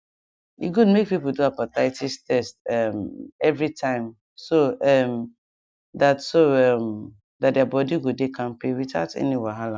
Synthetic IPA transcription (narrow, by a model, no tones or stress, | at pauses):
jḭɡudmek̚pipl̩duapataɪtʰistʰɛstɛmɛvɹitʰãɪ̃m | soʔɛm | datsoɛm | dat̚dɛabɔdiɡodekʰãmpewita̰ʊtɛ̰niwɛɦala